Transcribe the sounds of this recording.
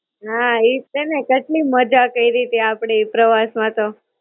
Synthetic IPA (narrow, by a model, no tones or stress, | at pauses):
ɦait̪enekəʈliməd͡ʒakəiɾit̪eapɽ̃eipɾəʋasmãt̪o